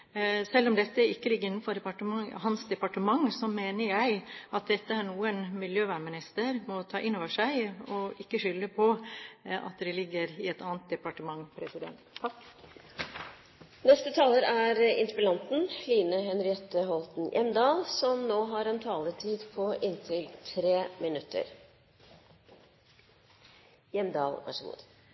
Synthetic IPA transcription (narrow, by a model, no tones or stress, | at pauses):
sɛlːɔmd̪ɛt̪ːəɪkːəlɪɡːəɪnːn̩fɔd̪ɛpɑʈəmɑŋhɑnsd̪ɛpɑʈəmɑŋːsɔmeːnəɾjæɪʔɑt̪̚d̪ɛt̪ːəæɾɳuːənmɪljøːʋæːɳmɪnɪst̪əɾmɔt̪ʰɑːʔɪnoːʋəʂæɪɔʔɪkːəʂʏlːəpʰɔ | ɑ̰t̪d̪ɛlɪɡːəɾɪɛt̪ɑːnt̪̚d̪ɛpɑʈəmɑŋːpʰɾɛsɪd̪ɛ̰nt̪ | nɛst̪ət̪ʰɑːləɾæɾɪ̰nt̪əpəlɑnt̪n̩liːnəhɛnɾɪɛt̪əɦɔlt̪n̩jʔɛ̰md̪ɑːlsɔmnoːɦɑɾɛnt̪ʰɑːləʈʰiːd̪pʰɔʔɪnt̪ʰɪlt̪ʰɾeːmɪnʉt̪ʰːə̰ɾ | jɛmd̪ɑ̰ːlʋæ̰ʂəɡṵːd̪